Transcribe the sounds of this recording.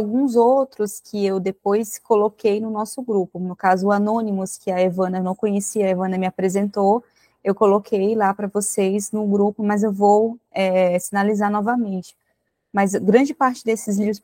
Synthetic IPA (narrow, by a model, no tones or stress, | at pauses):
awɡũzowt̪ɾʊskʰɪewd̪epojskolokejnʊnɔsʊɡɾupʊnʊkazʊanõnimʊskɪɐevɐ̃nɐewnɐ̃w̃kõɲesiɐevɐ̃nɐmɪapɾezẽnt̪o | ewkolokʰejlapɾɐvoseznʊɡɾupʊmɐzewvowɛsĩnalizaɾnɔvɐmẽnt͡ʃɪ̥ | mɐzɡɾɐ̃nd͡ʒɪpaɾt͡ʃɪd̪esɪzlivɾʊs